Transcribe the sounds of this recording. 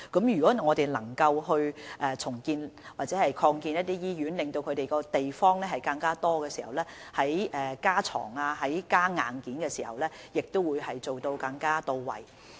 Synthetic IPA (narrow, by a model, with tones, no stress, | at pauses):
kɐ˨˥mjyː˨˩kɔː˨˥ŋɔː˨˧t̪e˨˩jlɐ˨˩ŋkɐ˧wɦɵ˧ɥʔɛː˨t͡sʰʊ˨˩ŋkiː˧nwwaː˨t̚t͡sɛː˨˥hɐ˨jkʰɔː˧ŋkiː˧njɐ˥t̚t̪iː˥jiː˥jyː˨˥nlɪ˨ŋt̪o˧wkʰɵ˨˧t̪e˨jkɔː˧t̪e˨jfɔː˥ŋlɛː˥ɦɐ˨˩jkɐ˧ŋkaː˥t̪ɔː˥kɛː˧siː˨˩hɐ˨wlɛː˥hɐ˨˥jʔɛː˨˩kaː˥t͡ʃʰɔ̰ː˨˩ŋaː˧ɦɐ˨˥jkaː˥ŋa̰ː˨nkiː˨˥nkɛː˧siː˨˩hɐ̰˨˩wlɛː˥jɪ˨k̚t̪o˥wuː˨˧jhɐ˨jt͡so˨wt̪o˧wkɐ˧ŋkaː˥t̪o˧wwɐ̰˨˩j